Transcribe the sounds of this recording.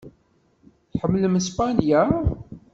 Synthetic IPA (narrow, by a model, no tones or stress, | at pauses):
θħəmːləməspɑnja